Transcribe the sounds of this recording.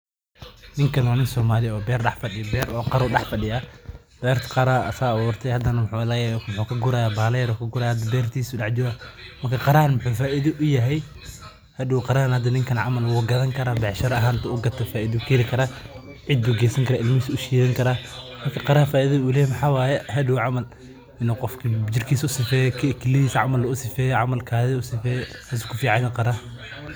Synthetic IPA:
nɪŋkʰɐnwaːnɪnsɔːmaːlɪɔːbɛːrɗɑħfɐɖɪjbɛːɾɔːqɑɾʊɖɑħfɐɖɪjɐ | b̥ɛːrt̪ʰɐ̥qɑɾaːsaːɐwɔːrt̪ʰɛjhɐd̪ɐnɐmħuːlɐjaːmʊħuːkʰɐɡʊɾaːjaːbaːlɛɾɔːkʰɐɡʊɾaːjːhɐd̪ɐbɛːrt̪ʰiːsʊɖɑʕd͡ʒʊɐmɐrkʰɐqɑɾaːnmʊħuːfaːʔɪðɐʔʊjɐɦɛj | hɐdʊwqɑɾaːnhɐd̪ɐnɪŋkʰɐnʕɑ̰mɐlwɔɡɐðɐŋkʰɐɾaːbɛʕʃɐɾɐɦaːnt̪ʰːʔʊɡɐt̪ʰɔfaːʔiðɐʊkʰɛːlɪkʰɐɾaː | ʕɪd̪̚buɡɛːsɐŋkʰɐɾaːʔɪlmɪhiːsʊʃɛːɣɐŋkʰɐɾaː | mɐrkʰɐqɑɾɐhɐfaːʔiðɐðulɛːjɛmɐħaːwaːjɛhɐdʊwʕɑmɐl | ɪnʊqɔfkʰid͡ʒɪrkʰiːsʊsɪfɛːjɔkʰkʰɪlːɪðiːsɐʕa̰mɐlːɐʊsɪfɛːjɔʕamɐlkʰaːʊsɪfɛːjhɛs̬ɪkʰʊfiːʕɑjnɐqɑɾah

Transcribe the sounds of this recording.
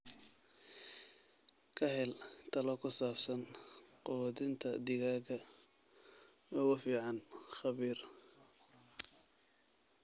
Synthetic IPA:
kʰɐhɛlt̪ʰɐlɔkʰʊsaːfsɐnqɔːd̪ɪnt̪ʰɐ̰d̪ɪɣaːɣɐ | wɔɣʊfiːʕɑnχɑβiːr

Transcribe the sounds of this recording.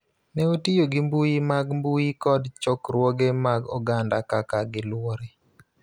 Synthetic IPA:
nɛotɪjoɡɪmbujimaɡmbujikɔdt͡ʃɔkɾwɔɡemaɡɔɡandakakaɡɪlwɔɾe

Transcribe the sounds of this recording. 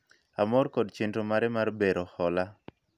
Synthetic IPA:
amɔrkɔdt͡ʃentomaɾɛmarbeɾɔhɔla

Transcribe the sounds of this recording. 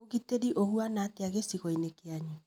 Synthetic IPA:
oɣiteɾiʔoɣuanaːteaɣesiɣɔinekeaɲɔ

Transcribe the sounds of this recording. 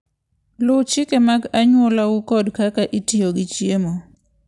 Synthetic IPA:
lʊt͡ʃɪkemaɡaɲwolaʊkɔdkakaʔitioɡit͡ʃjemo

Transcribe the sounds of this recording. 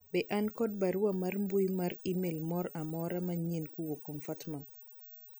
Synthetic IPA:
bɛʔankɔd̚baɾwwamaɾmbujmaɾimelmɔɾamɔɾamaɲenkuwokomfatmaŋ

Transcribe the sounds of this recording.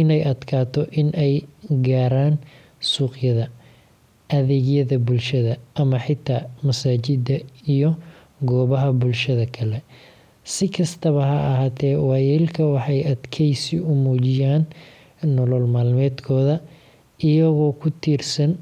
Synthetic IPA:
ɪnɛjʔɐd̪kʰaːt̪ʰɔʔɪnʔɛjɡaːɾaːn | suːqjɐðɐ | ʔɐðɛːɣjɐðɐbʊlʃɐðɐɐmɐħɪt̪ʰːaːmɐsaːt͡ʃɪd̪ɐijɔ | ɡɔːβɐɦɐbʊlʃɐðɐkʰɐlɛ | sɪkʰɐst̪ʰɐβɐɦɐɐɦaːt̪ʰɛːwɑjɛːlkʰɐwɑħɑjʔɐd̪kʰɛjsɪʊmuːt͡ʃɪjaːnː | ɔlɔlmaːlmɛːd̪kʰɔːðɐ | ʔɪjɐɣɔːkʰʊt̪ʰiːrsɐn

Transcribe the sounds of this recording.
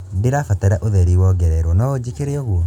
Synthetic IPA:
deɾafatɛɾɛʔoðɛɾiwɔɡɛɾɛɾwɔnaod͡ʒikeɾeɔɣuɔ

